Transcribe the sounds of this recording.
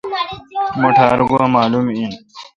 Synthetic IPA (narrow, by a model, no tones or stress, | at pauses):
moʈʰaːɾɡuamaːlumin